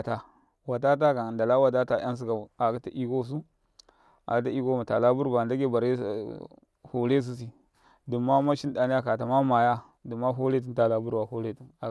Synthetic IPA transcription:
a˨ta˨ | wa˨ta˦t̬a˦ka˨nda˨la˦wa˦t̬a˦ta˦˨ja˦ns̬u˦ɡa˨a˨ka˦ta˦ʔi˦ko˦˨s̬u˦ | a̰˨ka˦t̬a˦i˦ko˦ma˨ta˨la˦bu˦ɾba˨nda˦ɡe˦ba˨ɾe˦˨ | ho˨le˦s̬u˦s̬i˨ | du˨mːa˦ma˦ʃi˦n˦da˨ni˦ja˦ka˨ta˨ma˦ma˨ja˦ | du˨mːa˦ɦo˦le˦t̬i˦n˦ta˨la˦bu˦ɾba˨ho˦le˦tu˨na˨

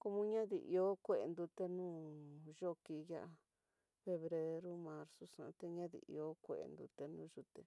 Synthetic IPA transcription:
ko˧mũ˦ɲã˦ðḭ˨ʔḭ˧o˦kʷe˧˨ḛ˧nd̪u˧t̪e˧nũː˦ʒo˦ki˧ja˦˧ʔa˧ | fe˧βɾe˧ɾu˦mã˧ɾsu˧sã̰˧t̪e˧ɲã˦ðḭ˨ʔḭ˧o˦kʷe˧˨ḛ˨˧nd̪ṵ˧t̪e˧nũ˦ʒu˧t̪e˧

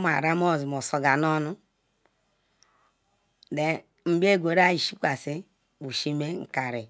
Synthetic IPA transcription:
ma̰˨ɾa˦m˦o˦˨zi˨mo˨so˨ɡa˨no˦nu˦ | de˨ | m̩˦bi˦e˦˨ɡʷo˨ɾa˦i˨ʃi˦kʷa˨si˦ | bu˨ʃi˦me˦ŋ̩˨ka˨ɾi˨

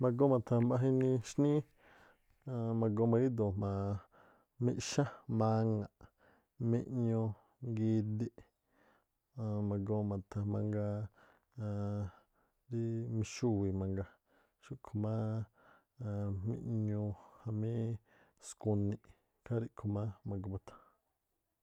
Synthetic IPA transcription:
mã˧ɡo˦mã˨t̪ʰã˧mbã˧ɦĩ˦nĩ˧ʃnĩ˦ | a˧mã˧ɡo˧mã˧ɡi˦d̪o˨mã˧ | mḭ̃˦ʔʃã˦mã˧ŋã˨ʔ | mḭ̃˦ʔɲõ˧ | ŋɡiː˧d̪i˦ʔ | mã˧ɡo˧mã˨t̪ʰa˧mã˧ŋɡa˧ | ɾi˦mĩ˧ʃu˦˨wi˨mã˧ŋɡa˧ | ʃu˦ʔkʰo˧mã˦˧ | mḭ̃˦ʔɲõ˧hã˧mĩ˦ | skũ˧nĩ˧ʔ | kʰa˦ɾi˦ʔkʰo˧mã˦mã˧ɡo˧ma˧t̪ʰḁ˧

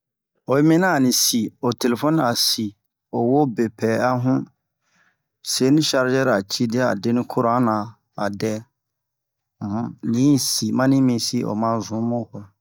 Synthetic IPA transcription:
o˨˦mĩ˦nã˦˨nĩ˨si˨o˨te˨le˨fɔ˦n˦a˨si˨ | o˨wo˦be˨pʰɛː˨a˦ɦũ˦ | se˨˦nĩ˦ʃa˦ɾd͡ʒɛ˦ɾa˨t͡ʃʰi˦dɪ˦a˦a̰˨de˦nĩ˦kʰʊ˦ɾã˦nã˨ | a˨dɛ˦ | m̩˨hũ˦nĩ˨˦si˨mã˦nĩ˦mĩ˦si˦ʔo̰˨mã˦zũ˨˦mɔ̃˦kɔ˨

